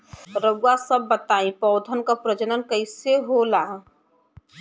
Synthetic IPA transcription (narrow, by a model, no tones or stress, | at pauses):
ɾəɡuwasəbːət̪aːĩpɔːd̪ʱənkapɾəd͡ʒənənkəɪseɦolaː